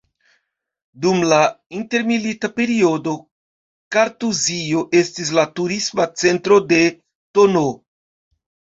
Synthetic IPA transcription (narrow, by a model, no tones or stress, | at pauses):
dumla | inte̞ɾmilitape̞ɾio̞do̞ | kaɾtuzio̞ʔe̞stis̬latuɾismat͡se̞ntɾo̞de̞ | to̞no